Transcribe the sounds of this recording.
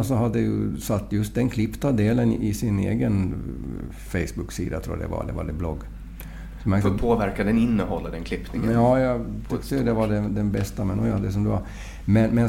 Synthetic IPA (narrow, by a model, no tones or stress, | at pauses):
sɔɦad̪ːəɛjɵ̰sat̪ːjɵst̪̚d̪ɛnkʰlɪpːt̪ad̪eːlən̰ʔɪsɪnḛːɡən | fɛɪsbɵksḭːd̪at̪ʰɾuːa̰d̪ɛ̰va̰d̪ɛ̰va̰d̪ɛblɔɡː | sɔmɛfpʰoːvæɾkad̪ɛnɪnːəhɔlːad̪ɛnkʰlɪpnɪŋɑːjɑɡt̪ʰʏkt̪əjɵd̪ɛvaɖɛd̪ɛnbɛst̪amɛnːɔjɑd̪ɛs̬ɔmd̪ʉva̰ɾ | mɛnmɛn